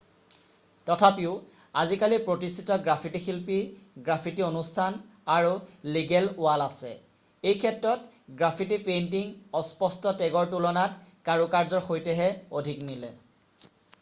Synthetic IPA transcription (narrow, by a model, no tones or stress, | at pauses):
tɔtʰapiʊ | azikalipɹotistʰitɔɡɹapʰitixilpiɡɹapʰitionustʰanaɹuliɡɛlʊalasɛ̰ | ejkʰɛtɹɔt | ɡɹapʰitipentiŋɔspɔstɔtɛɡɔɹtulɔnatkaɹukaɹzɔɹxojtɛɦɛodʱiknilɛ̰